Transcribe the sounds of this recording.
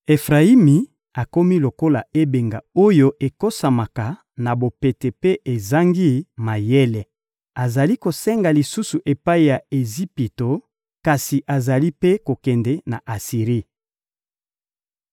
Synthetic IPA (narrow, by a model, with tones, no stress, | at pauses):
e˨fʁa˨i˦mi˨ | a˨ko˦mi˦lo˨ko˦la˨e˦be˨ŋɡa˨o˦jo˦ʔe˨ko˦sa˨ma˨ka˨ | na˨bo˨pe˨tɛ˨pe˦ʔe˨za˦ŋɡi˦ma˨jɛ˦lɛ˨ | a˨za˨li˦ko˨sɛ˦ŋɡa˨li˨su˦su˨ʔe˨pa˦i˨ja˨e˨zi˦pi˨to˨ | ka˨si˨ʔa˨za˨li˦pe˦ko˨kɛ˨ndɛ˦na˨ʔa˨si˨ʁi˦